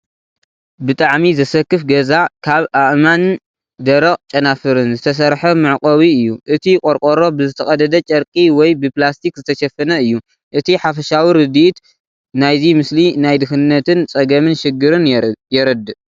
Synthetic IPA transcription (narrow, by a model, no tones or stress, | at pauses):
bɨt̪ʼaʕmizɐsɐkːɨfɡɐzakʰaβʔaʔman | d̪ɐɾɐqʼt͡ʃʼɐnafɨɾɨnzɨt̪ʰɐs̬ɐɾħɐmɨʕkʼɐβiɨjːuʔɨt̪ʰikʼoɾkʼoɾo̞bɨzɨt̪ʰɐxʼɐd̪ɐd̪ɐt͡ʃʼɐɾkʼiwɔjbɨplast̪ʰikzɨt̪ʰɐʃɐfɐnɐɨjːu | ʔɨt̪ʰiħafɐʃawiɾɨd̪iʔt̪ | najzimɨslinajd̪ɨxɨnːɐt̪ʰɨnt͡sʼɐɡɐmɨnʃɪɡːɨɾɨnjɛɾɐd̪ɨʔ